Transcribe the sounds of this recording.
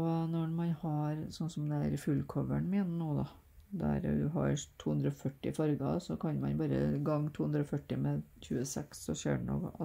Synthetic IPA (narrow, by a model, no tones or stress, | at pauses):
ɔnɔmɑnhɑɾsɔnsɔmd̪ɛæɾfʉlːkʰɔʋəɳmɪnənuːd̪ɑ | d̪ɛ̰ɾ̰d̪ʉɦɑ̰ɾt̪ʰuːhʉnd̪ɾəɔfœʈːɪ̰fɑɾɡɑ̰sɔkʰɑnmɑnbɑːɾə̰ɡɑŋːt̪ʰuːhʉnd̪ɾəɔfœʈːɪmɛɕʉːəsɛksɔɕø̰ːɖɛ̰nɔ̰kɑ